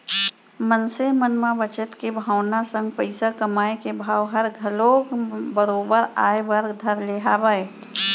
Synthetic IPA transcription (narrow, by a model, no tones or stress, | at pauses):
mənsemənmãbət͡ʃət̪kebʱaːʊnasə̃ŋɡ̚pəɪsakəmaːjkebʱaːwɦəɾɡʱəlokbəɾoːbəɾaːebəɾɡd̪ʱəɾleɦaːbəj